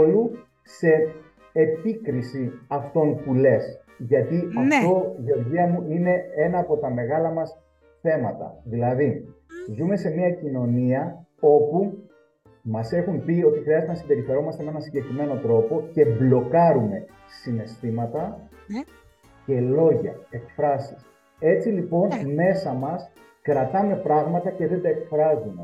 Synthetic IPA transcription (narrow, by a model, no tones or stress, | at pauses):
olu | se̞ː | pikɾisiɐft̪o̞npule̞s | ʝɐt̪iɐft̪o̞ʝoɾʝiɐmuine̞e̞nɐːpo̞t̪ɐme̞ɣɐlɐmɐs | θe̞mɐt̪ɐ̰ðilɐði | zume̞se̞miɐcino̞niɐo̞pu | mɐse̞xumpio̞t̪ixɾiɐzet̪enɐsimbe̞ɾiθe̞ɾo̞mɐst̪emee̞nɐnsiɲɟe̞kɾime̞no̞t̪ɾo̞po̞ce̞blo̞kɐɾume̞ | sine̞st̪imɐt̪ɐ | ce̞lo̞ʝɐ̰e̞kfɾɐsi̥s | e̞t͡silipo̞nme̞sɐmɐs | kɾɐt̪ɐme̞pɾɐɣmɐt̪ɐce̞ðend̪ɐe̞kfɾɐzume